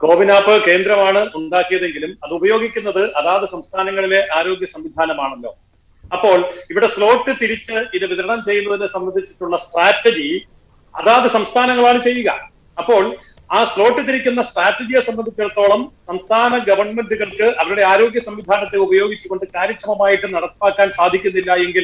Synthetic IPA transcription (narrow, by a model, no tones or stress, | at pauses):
ɡo̞ːʋinaːfɨke̞ːnd̪ɾɐmaːɳɨʔuɳɖaːkːijɐðe̞ŋɡilumɐðɨubɐjo̞ːɡikʲːunːɐðɨʔɐðaːɐðɨsɐmst̪ʰaːnɐŋːɐɭile̞ʔaːɾo̞ːɡjɐsɐmʋid̪ʱaːnɐmaːɳelːo̞̰ː | ɐpːo̞ːɭiʋiɽe̞slo̞ːʈːɨt̪iɾit͡ɕːɨiðɨʋiðɐɾɐɳɐmt͡ɕe̞jːunːɐðilesɐmbɐnd̪ʱit͡ɕːi̥ʈːuɭːɐsʈraːtːed͡ʑi | ɐ̰ðaːɐðɨsɐmst̪ʰaːnɐŋːɐɭaːɳɨt͡ɕe̞jːuɣɐ̰ | ɐpːo̞ːɭ | aːslo̞ːʈːɨt̪iɾikʲːunːɐsʈraːtːed͡ʑijɐsɐmbɐnd̪it͡ɕːɐɽt̪ːo̞ːɭɐmsɐmst̪ʰaːnɐɡɐʋɐrɳme̞nduɣɐɭkɨʔɐʋɐɾuɽe̞aːɾo̞ːɡjɐsɐmʋid̪ʱaːnɐt̪ːeubɐjo̞ːɡit͡ɕːukɣo̞ɳɖɨkaːɾɐkɾɐmɐmaːjiʈːɨnɐɽɐt̪ːaːkːaːnsaːd̪ʱikʲːunːilːɐe̞ŋɡil